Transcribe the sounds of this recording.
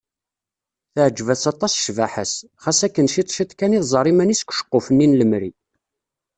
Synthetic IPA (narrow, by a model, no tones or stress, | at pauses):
θəʕəd͡ʒːvæsɑt̪ˤːɑsʃvaħəs | χæsækːənʃit̪ˤʃit̪ˤkæniðzˤɑɾˤimæniskʷʃə̥qːofənːinləmɾi